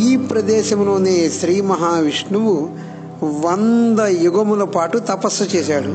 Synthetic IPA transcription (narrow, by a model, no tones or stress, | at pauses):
iːpɾɐd̪ɛːʃɐmlo̞ːneːʃɾiːmɐɦaːʋiʂɳuʋu | ʋɐnd̪ɐjuɡɐmulɐpaːʈut̪ɐpɐsɐt͡ʃɛːʃaːɽu